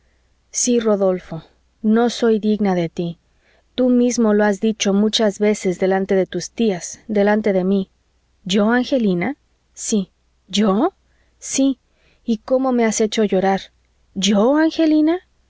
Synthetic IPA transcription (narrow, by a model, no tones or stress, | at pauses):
siro̞ðo̞lfo̞ | no̞so̞jðiɣnaðe̞t̪i | t̪umizmo̞loazðit͡ʃo̞mut͡ʃazβe̞se̞zðe̞lant̪e̞ðe̞t̪ust̪iaz̥ðe̞lant̪e̞ðe̞mi | ʝo̞aŋxe̞lina | si | ʝo | siː | ko̞mo̞me̞ase̞t͡ʃo̞ʝo̞ɾaɾ | ʝoaŋxe̞lina